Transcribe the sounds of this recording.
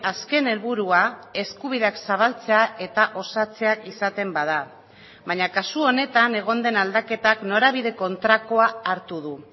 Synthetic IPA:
aske̞ne̞lβuɾuae̞skuβ̞iðe̞aksaβalt͡se̞aʔe̞t̪aʔo̞sat͡se̞akisat̪e̞mbaða | βaɲakasuo̞ne̞t̪ane̞ɣ̞o̞nd̪e̞nald̪ake̞t̪akno̞ɾaβ̞iðe̞ko̞nt̪ɾako̞aːɾt̪uðu

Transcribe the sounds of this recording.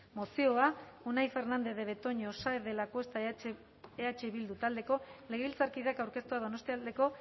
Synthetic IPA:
mo̞sio̞aonajfe̞ɾnand̪e̞ðe̞βe̞t̪o̞ɲosaeðe̞lakwe̞st̪a | eat͡ʃe̞βild̪ut̪ald̪e̞ko̞le̞ɣeβilt͡saɾkiðakawɾke̞st̪uað̞ono̞st̪iald̪e̞ko̞

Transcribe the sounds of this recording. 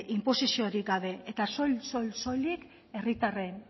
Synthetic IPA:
ʔimpo̞sisioɾik̚ɡaβ̞e̞et̪aso̞lsolso̞jlik | e̞rit̪are̞n

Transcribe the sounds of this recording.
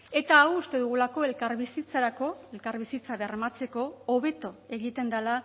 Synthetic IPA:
e̞t̪aːwust̪e̞ðuɣ̞ulako̞e̞lkaɾβisit͡saɾako̞e̞lkaɾβisit͡saβermat͡se̞ko̞oβe̞t̪o̞e̞ɣit̪e̞nd̪ala

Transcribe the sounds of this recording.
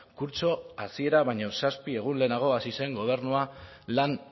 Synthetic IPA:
kuɾt͡ʃo̞asie̞ɾaβaɲo̞saspie̞ɣ̞unle̞ːnaɣ̞o̞asise̞ŋɡo̞β̞e̞ɾnualan

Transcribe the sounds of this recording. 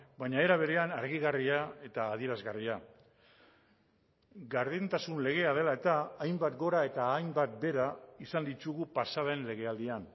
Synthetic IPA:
baɲae̞ɾaβe̞ɾe̞anaɾɣiɣariae̞t̪aːðie̞ɾazɣaria | ɡaɾðent̪asunle̞ɣ̞e̞að̞e̞lae̞t̪aːjmbat̪ɡo̞ɾae̞t̪aːjmbat̪̚be̞ɾaisand̪it̪uɣupasaðe̞nle̞ɣ̞e̞ald̪ian

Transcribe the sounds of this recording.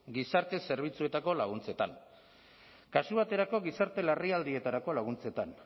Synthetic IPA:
ɡisaɾt̪e̞se̞ɾβ̞it͡sue̞t̪ako̞laɣ̞unt͡se̞t̪aŋ | kasuβ̞at̪e̞ɾako̞ɣisaɾt̪e̞lariald̪ie̞t̪aɾako̞laɣ̞unt͡se̞t̪an

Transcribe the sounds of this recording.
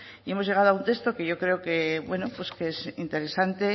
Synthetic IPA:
ie̞mozʝje̞ɣ̞aðoaunt̪e̞st̪o̞ke̞ʝo̞kɾe̞oke̞βwe̞no̞pwe̞skeesint̪e̞ɾe̞sant̪e̞

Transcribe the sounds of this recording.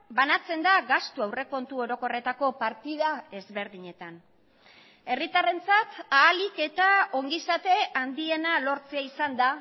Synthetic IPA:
banat͡se̞nd̪aɡast̪uawre̞ko̞nt̪uo̞ɾo̞ko̞re̞t̪ako̞paɾt̪iðae̞zβe̞ɾðiɲe̞t̪an | e̞rit̪are̞nt͡sat̪aːlike̞t̪ao̞ŋɡisat̪e̞and̪ie̞nalo̞ɾt͡se̞aisand̪a

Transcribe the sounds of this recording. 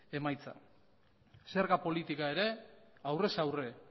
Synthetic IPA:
e̞majt͡sa̰ | se̞ɾɣapo̞lit̪ikae̞ɾe̞awre̞sawre̞

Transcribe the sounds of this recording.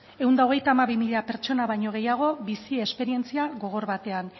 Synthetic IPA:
e̞wnd̪aoɣ̞e̞jt̪aːmaβimiʎape̞ɾt͡ʃo̞naβajɲo̞ɣ̞e̞jaɣ̞o̞βisiespe̞ɾie̞nt͡siaɣo̞ɣ̞o̞ɾβat̪e̞an

